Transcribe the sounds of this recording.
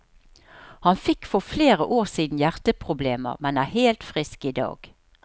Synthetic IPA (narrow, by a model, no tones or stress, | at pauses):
hɑnfɪkːfɔʁfleːʁəʔoːʁsiːd̪n̩jæʁt̪əpʰʁʊbleːmə̰ʁmɛnæːheːlt̪fʁɪskid̪ɑ̰ːɡ̥